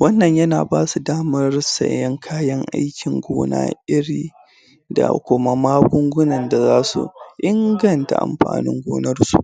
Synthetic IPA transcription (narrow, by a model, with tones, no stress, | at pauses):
wɐ˦nːɐ˨ɲjɐ˦naː˨baː˦su˨daː˦mɐ˦rsɐ̰˨jɐ˦ŋkʰaː˦jɐ˦ŋʔa̰˦jkʲɪ˨ŋɡʷoː˦na̰ː˦ʔɪ˦ɽiː˦ | da̰˨kʷʊ˦ma˦maː˦ɡʷʊ˦ŋɡʷʊ˦nɐ˨nda˨zaː˦sṵ˨ʔɪ˦ŋɡɐ˨nta̰˨ʔa̰˨mɸa̰ː˨nɪ̰˦ŋɡʷoː˦nɐ˦rsṵ˨ʔ